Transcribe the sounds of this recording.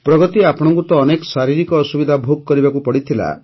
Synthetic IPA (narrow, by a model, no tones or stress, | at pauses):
pɾɔɡɔt̪iapɔɽ̃ɔ̃ŋkut̪ɔːnekɔ̥saɾiɾikɔːsubid̪ʱabʱoɡ̚kɔɾibakupɔɽit̪ʰila̰